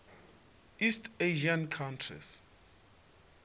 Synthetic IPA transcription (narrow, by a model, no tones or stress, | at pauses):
istʰeʒiankʰantʰrḭs